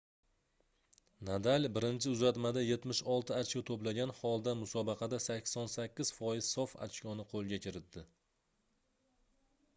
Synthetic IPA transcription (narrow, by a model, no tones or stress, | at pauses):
nad̪alʲbɪɾɪnt͡ʃʰɪʊzat̪mad̪aje̞t̪mɪʃɒlˠt̪ʰɪat͡ʃkʲat̪ʰoplaɡʲanhɒlˠd̪amʊsɒbɑqʰɑd̪asakʲsɒnsakʲːɪz̥fɒjɪz̥sɒfa̰t͡ʃkʲɒnɪqʰolˠɡʲakʲʰɪɾɪt̪̚d̪ɪ